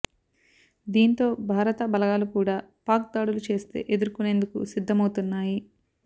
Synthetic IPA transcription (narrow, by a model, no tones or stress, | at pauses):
d̪iːnt̪o̞ːbʱaːɾɐt̪ɐbɐlɐɡaːlukuːɽaːpaːk̚d̪aːɽulut͡ʃe̞ːst̪e̞̰ːʔe̞d̪uɾkune̞ːnd̪ukṵsid̪ʱːɐmɐwt̪unːaːji